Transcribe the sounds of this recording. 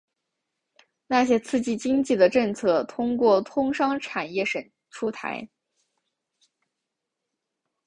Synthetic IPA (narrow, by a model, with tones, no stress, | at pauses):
na˥˩ɕjɛ˥t͡sʰɹ̩˥˧t͡ɕi˥˩t͡ɕi˥ŋt͡ɕi˥˩d̪ə˩ʈ͡ʂɤ˥˧ŋt͡sʰɤ˥˩t̪ʰʊ˥ŋkwɔ˥˩t̪ʰʊ˥ŋʂɑ˥ŋʈ͡ʂʰa˨˩njɛ˥˩ʂə˨˩n | ʈ͡ʂʰu˥t̪ʰa̰˧˥ɪ